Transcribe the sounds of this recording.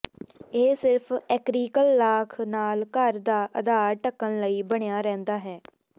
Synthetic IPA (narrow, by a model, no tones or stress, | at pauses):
eːsɪɾpʰɛːkɾiːkəlːaːkʰnaːlkəɾd̪aːʔəd̪aːɾʈəkːənləiːbəɽ̃ejaːɾɛ̃ːnd̪aːɦɛː